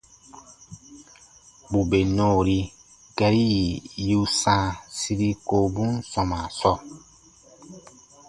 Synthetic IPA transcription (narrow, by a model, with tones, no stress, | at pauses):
bu˨be˨nɔː˦˨ɾi˦ | ɡɛ˦ɾi˦ji˨ju˦sãː˦˨si˦ɾi˦ko˨bu˦nsɔ˨ma˨sɔ˦